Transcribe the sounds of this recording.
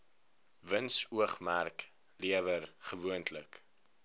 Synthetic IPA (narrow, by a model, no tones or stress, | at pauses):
vənsuəχmærk | liəvərχəvuəntʰlək